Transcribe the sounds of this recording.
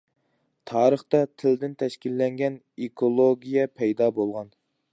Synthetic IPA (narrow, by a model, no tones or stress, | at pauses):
t̪ʰɑːɾəχt̪ɑt̪ʰɪld̪ɪnt̪ʰɛʃkʲilːɛŋɡʲɛn | ekʰolˠoɡʲijɛpʰɛjd̪ɑːbolˠʁɑn